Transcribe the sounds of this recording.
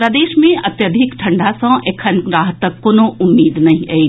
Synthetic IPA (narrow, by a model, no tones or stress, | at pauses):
ɾəd̪eːʃmẽɐt̪jɐd̪ʱɪkʈʰɐɳɖasɐ̃ʔekʰənɡɾaːɦt̪ːəkːoːnoʔʊmːiːd̪nɐɦĩʔe